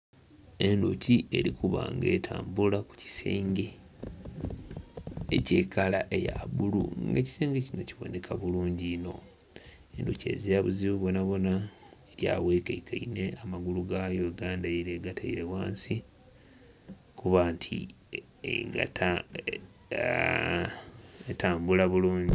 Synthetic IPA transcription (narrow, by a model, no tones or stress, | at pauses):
e̞ndociʔe̞ɾikuβa̰ŋɡe̞̰ːtʰa̰ːmbulaku̥ci̥seːŋɡe̞ | ece̞ːkalaʔe̞jaβulṵŋɡeci̥seːŋɡecino̞ciβo̞̰nekʰaβuluːɲɟino̞̰ | endoce̞̰ːzijaβuziβuβo̞naβo̞na | eɾja̰we̞ːkaikʰaineamaɡuluɡajoɡaːndaiɾeɡatʰaḭɾe̞waːnsi | kuβaːntʰḭ | ḛɡa̰ta | etaːmbulaβuluːɲɟi